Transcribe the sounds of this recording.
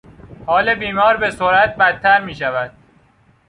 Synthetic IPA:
hɒːlebiːmɒːɾbe̞soɾæt̪̚bæt̪ʰːæɾmiːʃævæd̪̥̚

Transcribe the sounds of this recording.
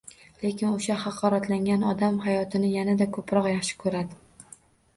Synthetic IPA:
le̞kʲʰɪnoʃahɑqʰːɒɾat̪ʰlaŋʲanɒd̪amhajɒt̪ʰɪnɪjanad̪akʰɵpɾɒqjɑχʃɪ̥kʰɵɾad̪ɪ

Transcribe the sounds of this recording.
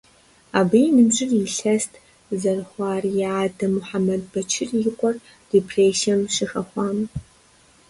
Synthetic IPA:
aːbijnɨbʒɪriɬɐstʰ | zɐrχʷɑːrjaːdɐmʊħamɐd̚bɐt͡ʃʰɪrjɪqʷʼɔr | d̥epʰreːsiɛmʃɪxɐχʷɑːm

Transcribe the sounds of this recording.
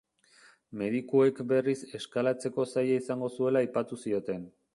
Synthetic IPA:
me̞ðikoe̞kbe̞rise̞skalat͡se̞ko̞sajaisaŋɡo̞sue̞laːjpat̪usio̞t̪e̞n

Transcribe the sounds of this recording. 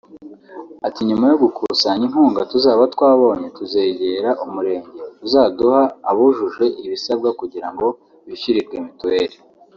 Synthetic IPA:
atiɲumajo̞ɡukʰusaɲiŋ̥huːŋɡatuzaːβatwaːβo̞ːɲe̞tuze̞ːɟe̞ːɾaʔumuɾe̞ːɲɟe̞tuzaːduhaːβuʒuʒe̞ʔiβisabɡakuɟiɾaŋɡo̞ | βiçiɾiɾɡemituweɾe

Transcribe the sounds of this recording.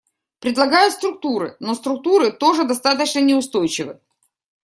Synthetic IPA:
pɾʲɪd̪lˠɐɡajʊt̪st̪ɾʊk̚t̪uɾɨ̰no̞st̪ɾʊk̚t̪uɾɨt̪o̞ʐɨd̪ɐst̪at̪̬ət͡ɕnənʲɪʊst̪o̞jt͡ɕɪvɨ

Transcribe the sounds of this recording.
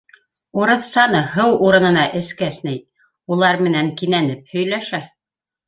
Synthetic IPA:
uɾɤ̆ðsɑnɤɦɤwuɾɤ̆nɤ̆nɑʔɘ̆skæsnɘj | ulˠɑɾmɘ̆næŋkinænɘp̚hɵ̆jlæʃæ

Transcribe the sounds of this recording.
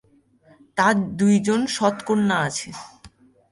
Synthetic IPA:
t̪aɾd̪ujd͡ʑonʃɔt̪konnaat͡ɕʰe

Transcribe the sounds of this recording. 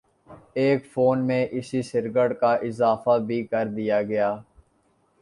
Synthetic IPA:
eːkfoːnmẽʔɪsisɪɾɡəɽkaʔɪzaːfabʱikɐɾd̪ijaːɡɐjaː

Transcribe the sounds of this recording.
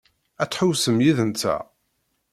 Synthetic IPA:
æt͡sːħʊwsəmjiðənt͡sːæ̰

